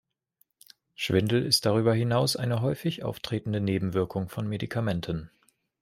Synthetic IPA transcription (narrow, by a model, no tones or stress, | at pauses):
ʃv̥ɪndl̩ɪst̚d̥aʁ̞yːbɐɦɪnaʊsʔa̰ɪnəɦɔʏfɪçʔa̰ʊftʁ̥eːtn̩dəneːbm̩vɪɐkʰʊŋfɔnmedikʰamɛntʰən